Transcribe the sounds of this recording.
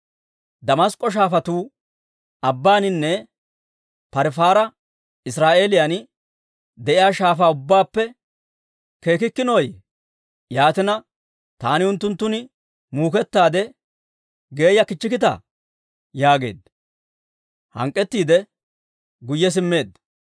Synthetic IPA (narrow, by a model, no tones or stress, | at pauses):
d̪ɐmɐskʼːɔʃ̬aːfɐt̪uː | ɐbːaːnɪnːɛ | pɐɾfaːɾɐ | ɪsɾaːʔe̞ːlɪjan | d̪ɛʔɪjaːʃaːfaːʊbːaːpːɛ | ke̞ːkɪkːɪnoj | jaːt̪ɪnɐ | t̪aːnɪʊnt̪ːʊnt̪ːʊnɪ | muːkɛt̪ːaːd̪ɛ | ɡe̞ːjɐkɪt͡ʃːɪkɪt̪ɐ̰ | jaːɡe̞̰ːd̪̚ | hɐ̰ŋkʼːɛt̪ːiːd̪ɛ | ɡʊjːɛs̬ɪmːe̞ːd̪